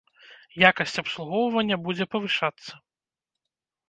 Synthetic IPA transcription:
jakɐsʲt͡sʲɐpslˠuɣɔwvɐnʲːɐbud͡zʲɛpɐvɨʂat̪sːɐ

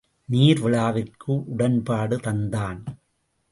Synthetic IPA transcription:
niːɾʋɪɭaːʋɪrkɯʔʊɽɐnpaːɽɯt̪ɐnd̪aːn

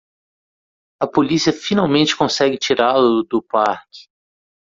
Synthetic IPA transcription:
ɐpolisiɐfinawmẽnt͡ʃɪ̥kõsɛɡɪt͡ʃiɾalʊd̪ʊpaɾkɪ̥

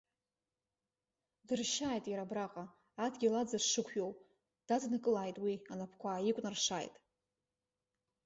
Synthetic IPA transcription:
dɨrʃaːjtʼjaɾabraqʼaː | dɡʲilad͡zaʂɨkʷʰjow | d̥adnɨkʼɨlaːjtʼwianapʰkʷʰaːjikʷʼnarʂaːjtʼ

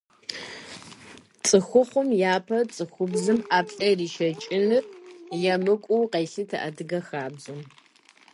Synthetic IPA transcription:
t͡sʼɨxʷʊχʷʊmjaːpʰɐt͡sʼɨxʷʊbzɨmʔaːpɬʼɐriːʃɐt͡ʃʼɪnɨrjɛmɨkʷʼʊwqeːɬɨtʰɐ̰ʔɐdɨɡɐxaːbzum

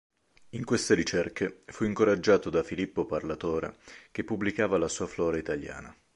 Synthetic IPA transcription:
iŋkwest̪eɾit͡ʃerkefuiŋkoɾad͡ʒːaːt̪od̪afilipːoparlat̪oːɾa̰k̟epːubːlikaːvalasuːaflɔːɾait̪alja̰ːna̰

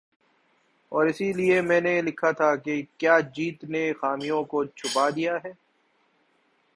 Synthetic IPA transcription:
ɔːɾɪsiliemɛ̃ːnelɪkʰat̪ʰakekjaːd͡ʒiːt̪nexaːmijõkot͡ʃʰʊpad̪ijaɦɛː

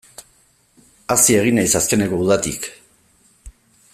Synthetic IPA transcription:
asie̞ɣ̞inajsaske̞ne̞ko̞uð̞at̪ḭk

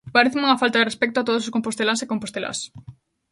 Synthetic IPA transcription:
paɾeθɪmuŋɐfalt̪aðerespɛk̚t̪ʊat̪oðʊsoskõmpost̪elasekompost̪ela̰s

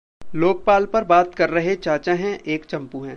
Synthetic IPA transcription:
loːk̚paːlpɐɾbaːt̪kɐɾːɐɦet͡ʃaːt͡ʃaɦɛ̃ʔeːkt͡ʃɐ̃mpuɦɛ̃ː

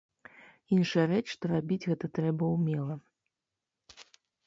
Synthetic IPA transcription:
inʂɐjɐrɛt͡ʂʂt̪ɔɾabʲid͡zʲɣɛt̪ɐt̪ɾɛbɐwmʲɛlˠɐ

